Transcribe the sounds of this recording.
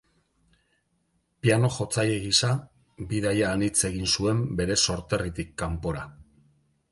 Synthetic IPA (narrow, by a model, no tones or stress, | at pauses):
piano̞ʝo̞t͡sajeɣisa | biðajaːnit͡se̞ɣ̞insue̞mbe̞ɾe̞so̞ɾt̪e̞rit̪ikːampo̞ɾa